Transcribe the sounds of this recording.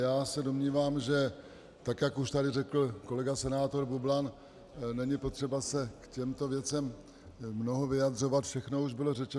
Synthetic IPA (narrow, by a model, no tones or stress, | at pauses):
jaːsɛdo̞mɲiːvaːmʒɛ | t̪akjakuʃt̪adɪrɛkl̩ko̞lɛɡasɛnaːt̪o̞ɾbublan | nɛɲɪpo̞t̪r̥ɛbasɛkcɛmt̪o̞vjɛt͡sɛmː | no̞ɦovɪjad̪r̝o̞vat̪fʃɛxno̞uʒbɪlo̞rɛt͡ʃɛ